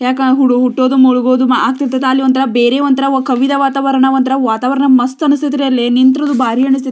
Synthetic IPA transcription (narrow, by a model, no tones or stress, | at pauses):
jaːkɐɦuɽuɦuʈːoːd̪umuɭuɡoːd̪umaaːk̚t̪iɾt̪ɐt̪ːlːiʋɐnt̪ɐɾɐbeːɾeːʋɐnt̪ɐɾɐkɐʋid̪ɐʋaːt̪aːʋɐɾɐɳɐʋɐnt̪ɐɾɐʋaːt̪aːʋɐɾɐɳɐmɐst̪ɐnust̪ʰit̪iɾelːenint̪ɾoːd̪ubaːɾiɐɳist̪it̪ː